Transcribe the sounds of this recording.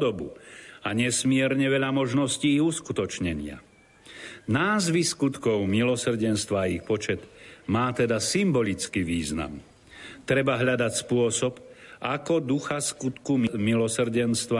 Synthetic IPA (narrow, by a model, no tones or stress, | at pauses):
d̪ɔbṵaɲɛsmɪɛɾɲɛʋɛʎamɔʒnɔsciːɣuskut̪ɔt͡ʃɲɛɲɪa̰ | naːzʋiskut̪kɔʊmilɔsr̩ɟɛnst̪ʋaːixpɔt͡ʃɛd̪maːt̪ɛd̪asimbɔlit͡skiʋiːzna̰m | t̪ɾɛbaɦʎad̪acspʊɔsɔpʔakɔd̪uxaskut̪kummilɔsr̩ɟɛnst̪ʋa